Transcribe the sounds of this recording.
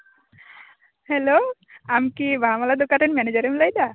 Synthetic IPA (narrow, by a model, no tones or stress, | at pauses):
heloamkibʱamalad̪okaʈenmɛned͡ʑəɾemlajd̪a